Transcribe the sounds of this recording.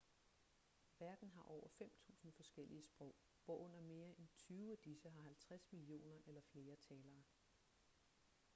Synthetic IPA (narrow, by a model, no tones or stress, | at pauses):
ʋæɐd̥n̩ɦɑ̈ʔɒʊ̰ɐfem̰t͡sʰṵːsn̩fɒ̽sɡ̥el̰iəsb̥ʁɔ̽ʊ̰ | ʋ̥ɒʔɔ̽n̰ɐme̝ːɐent͡sʰyːʊæd̥isəɦɑ̈ɦælt͡sʰʁasmilio̝̰ːnɐʔelɐfle̝ːɐt͡sʰɛːlɐː